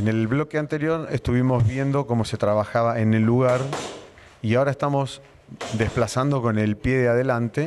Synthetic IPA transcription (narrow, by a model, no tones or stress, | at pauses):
ene̞lβlo̞keant̪eɾjo̞ɾest̪uβ̞imo̞zβje̞nd̪o̞ko̞mo̞se̞t̪ɾaβaxaβae̞ne̞lːuɣ̞aɾ | iao̞ɾaest̪amo̞s | d̪e̞hplasand̪o̞ko̞ne̞lpje̞ðeaðe̞lant̪e̞